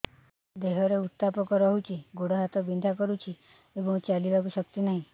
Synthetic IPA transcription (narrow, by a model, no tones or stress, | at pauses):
d̪eɦɔɾeut̪ːapɔkɔɾɔɦut͡ʃiɡoɽɔɦat̪ɔbind̪ʱakɔɾut͡ʃi | ebɔ̃wt͡ʃalibakuʃək̚t̪inaɦĩ